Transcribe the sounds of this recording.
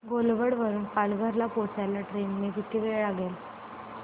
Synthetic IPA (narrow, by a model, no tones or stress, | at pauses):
ɡolʋəɽʋəɾuːnpalɡʱəɾlapot͡salaʈɾenmed͡ʑ̪it̪ʰiʋeɭɭaɡel